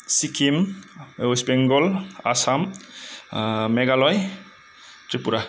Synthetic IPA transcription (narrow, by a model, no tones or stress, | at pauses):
sikʰim | spɛŋɡɔla̰sam | mɛɡalɔj | tɾipuɾa